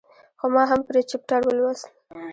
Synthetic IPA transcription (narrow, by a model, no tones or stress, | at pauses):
xomɑɦampəɾet͡ʃɪp̚ʈaɾwəlwasn